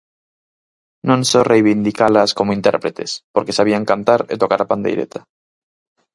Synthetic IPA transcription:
nõnsorejβind̪ikalaskomoint̪ḛɾpɾet̪ʰe̞spoɾke̞saβiaŋkant̪aɾḛt̪okaɾapand̪ḛjɾḛt̪ʰḁ

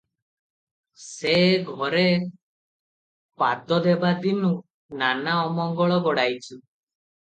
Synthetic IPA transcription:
seɡʱɔɾe | pad̪ɔd̪ebad̪inu | nanaɔmɔŋɡɔɭɔɡɔɽajt͡ʃʰu

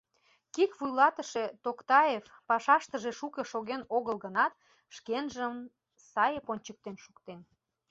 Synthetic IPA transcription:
kikβujlɑt̪əʃet̪okt̪ɑefpɑʃɑʃt̪əʒeʃukeʃoɣenoɣəlɣənɑt̪̚ | ʃkenʒəm | sɑjeponʲt͡ɕək̚t̪enʃukt̪en

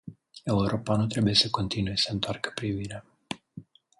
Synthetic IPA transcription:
e̞uɾo̞panut̪ɾe̞buje̞səko̞nt̪inuje̞səɨnt̪oarkə̥pɾiviɾea

